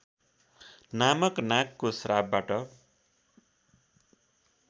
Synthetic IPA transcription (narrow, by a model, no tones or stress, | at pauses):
namʌknakːosɾab̚baʈʌ